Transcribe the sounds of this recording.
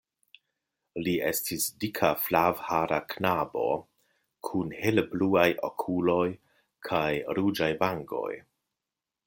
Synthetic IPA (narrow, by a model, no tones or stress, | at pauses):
liḛstʰisdikʰaflavhaɾaknabo̞̰ | kʰunhelbluajʔo̰kʰulo̞j | kʰajɾud͡ʒajbaŋɡo̞̰j